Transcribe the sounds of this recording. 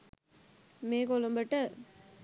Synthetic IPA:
meːkolɐmbɐʈːɐ

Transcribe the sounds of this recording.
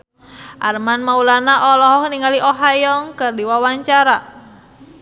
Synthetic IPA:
ʔarmanmaulanaʔɔlɔɦɔhniŋaliʔɔɦajɔŋkɨrdiwawaɲt͡ʃaɾa

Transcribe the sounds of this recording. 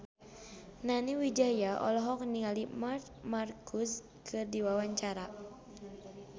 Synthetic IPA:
naniwid͡ʒajaʔɔ̰lɔɦɔk̚niŋalimart̪ | markʰus | kʰɨrdiwawaɲt͡ʃaɾa

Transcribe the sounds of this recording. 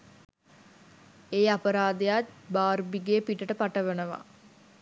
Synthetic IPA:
eːapəɾaːd̪ejat̪̚baːrbiɡepiʈəʈəpaʈəʋənəʋa̰

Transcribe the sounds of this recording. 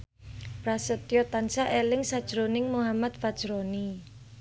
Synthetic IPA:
pɾasət̪jɔt̪ansaʔelɪŋsad̥ʒ̥ɾonɪŋmuɦamat̪̚fad̥ʒ̥ɾoni

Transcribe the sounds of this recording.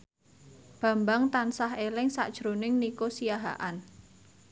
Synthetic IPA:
b̥ä̤mbaŋt̪ansaɦelɪŋsa̰ʔd̥ʒ̥ɾonɪŋnikosijaɦa̰ʔan

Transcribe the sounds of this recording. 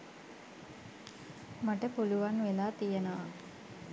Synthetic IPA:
maʈəpuluʋanʋelaːt̪ijənəʋa

